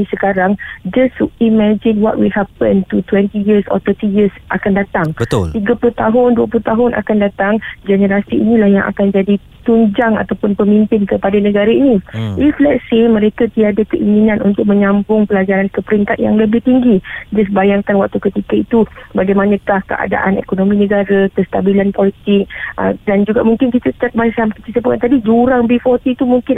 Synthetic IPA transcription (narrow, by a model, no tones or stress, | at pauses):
isəkaɾaŋd͡ʒəstimɛd͡ʒɪnwɔ̰t̚wihapəntut̪wɛntijisɔ̰t̪ətijəsʔakandat̪aŋbət̪ʊlt̪iɡapulʊt̪aɦʊnduap̬lut̪aɦʊnʔa̰kandat̪aŋd͡ʒɛnəɾasiḭnĩlahjaŋʔa̰kand͡ʒadi | t̪uɲd͡ʒaŋa̰t̪awpʊnpəmĩmpɪnkəpadanə̃ɡaɾainĩʔiflɛtsemə̃ɾekat̪iadakəʔiŋinãnʔṵnt̪ʊk̚mə̃ɲãmbʊŋpəlad͡ʒaɾankəpəɾiŋkat̪̚ja̰ŋləbɪht̪iŋɡid͡ʒəs̬əbajaŋkanwak̚t̪ukət̪ikait̪ubaɡajmãnə̃kahkə̰ʔa̰da̰ʔanḛkonõmĩnə̃ɡaɾakəst̪abilanpolit̪ɪk̚ə̰dand͡ʒuɡa̰ʔmuŋkɪnkit̪ət̪ak̪̚basamkət͡ʃit̪əpukant̪adid͡ʒuɾaŋbifɔrt̪it̪umuŋkɪn